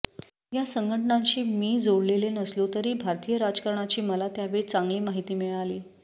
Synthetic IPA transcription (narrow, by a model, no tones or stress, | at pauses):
jasəŋɡʱəʈəɳaɲt͡ɕiːmiːd͡zoɽlelenəslot̪əɾiːbʱaɾt̪ijəɾad͡zkəɾɳat͡ɕiːməlat̪jaʋeɭit͡saŋɡliːmaɦit̪iːmiɭaliː